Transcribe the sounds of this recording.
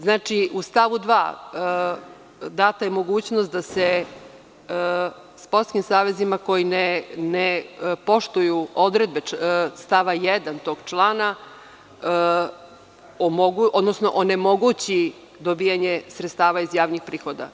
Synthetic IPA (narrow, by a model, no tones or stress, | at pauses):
znaːt͡ʃiʔust̪aʋud̪ʋa̰ː | d̪aːt̪ajemo̞ɡuːt͡ɕnost̪̚d̪ase | spoɾt̪kimsaːʋe̞zimako̞jinenepo̞ʃt̪ujuo̞d̪ɾed̪̚best̪aʋajɛd̪ant̪o̞ɡ̥t͡ʃlˠaːna | omoɡuʔod̪nosno̞ʔonemo̞ɡut͡ɕi | d̪obijaɲesɾet̪st̪aːʋaizjaːʋnixpɾiːxo̞d̪a̰